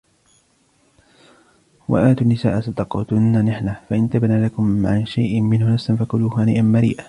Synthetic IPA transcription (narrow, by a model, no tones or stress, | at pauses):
wʔa̰ʔaːt̪unːɪsa̰ːʔasat̪ɑqɑ̰ːt̪ʊnːanɪħnafaʔɪnt̪abnaːlakʊmʕanʃajʔɪmɪnhʊnafsanfakʊluːhaːnḭːʔanmaɾḭːʔa